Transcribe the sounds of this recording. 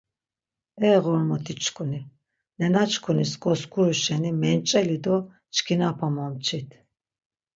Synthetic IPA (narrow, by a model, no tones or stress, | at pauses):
ɛːʁɔɾmɔt̪ʰit͡ʃʰkʰʼuni | nɛnat͡ʃʰkʰuniskʼɔskʰuɾuʃɛnimɛnt͡ʃʼɛlid̪ɔ | t͡ʃʰkʰinapʰamɔmt͡ʃʰit̪ʰ